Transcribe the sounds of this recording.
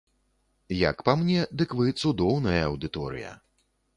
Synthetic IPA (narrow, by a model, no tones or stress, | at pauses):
jɐ̰kpamnʲɛd̪ɨkvɨt̪sud̪ɔwnɐjɐɐwd̪ɨt̪ɔɾɨ̰jɐ̰